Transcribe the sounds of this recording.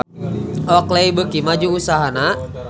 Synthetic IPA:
ɔkleibəkimad͡ʒuusaɦana

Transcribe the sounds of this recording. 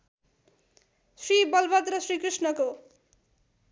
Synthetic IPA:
sribʌlbʌd̪rʌsrikrisnʌko

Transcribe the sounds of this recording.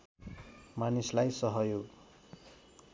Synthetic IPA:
manislajsʌɦʌjoɡ

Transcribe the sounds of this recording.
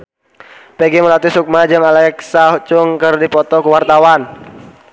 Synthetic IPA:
peɡiməlat̪isuk̚mad͡ʒɨŋalɛksaɦut͡ʃʊŋkərdipɔt̪ɔkuwart̪awan

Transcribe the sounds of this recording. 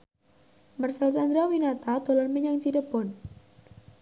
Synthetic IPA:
mərsalsand̪ɾawinat̪ad̪̥o̤lɔnmeɲaŋt͡ʃidəpɔn

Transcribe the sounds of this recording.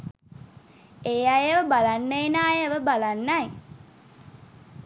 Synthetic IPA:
eːajeʋəbalanːəenaːjəʋəbalanːaj

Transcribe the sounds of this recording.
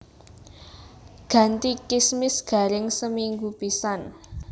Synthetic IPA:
ɡ̥ä̤nt̪ikismɪsɡ̥a̤ɾɪŋsəmiŋɡupisan

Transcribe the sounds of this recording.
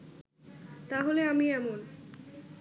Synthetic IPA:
t̪aɦoleamiɛmon

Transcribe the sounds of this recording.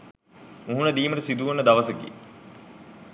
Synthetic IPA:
uɦunɐd̪iːməʈəsid̪uʋɐnːəd̪ɐʋɐsɐɡḭ

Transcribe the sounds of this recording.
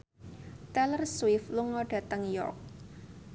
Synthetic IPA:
t̪ɛlərswɪfluŋːɔɖ̥ä̤t̪əŋjɔ̰rk̚

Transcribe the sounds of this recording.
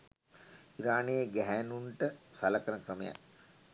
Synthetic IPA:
iɾaːnejəɡæɦænuɳʈəsaləkəɾəkrəmeja̰k

